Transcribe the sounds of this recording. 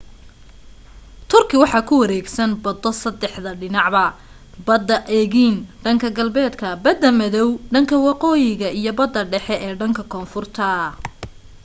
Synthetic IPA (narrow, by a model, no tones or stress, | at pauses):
t̪ʰʊrkʰɪwɑħɑːkʰʊwɐɾɛːɡsɐnbɐd̪ɔsɐd̪ɛħðɐɖɪnɑʕbɐ | bɐd̪ːɐʔɛɣiːnɖɐŋkʰɐɡɐlbɛːd̪kʰɐbɐd̪ːɐmɐðɔwɖɐŋkʰɐwɑqɔːjɪɣɐijɞbɐd̪ːɐɖɛħɛʔɛːɖɐŋkʰɐkʰɔːnfʊrt̪ʰɐ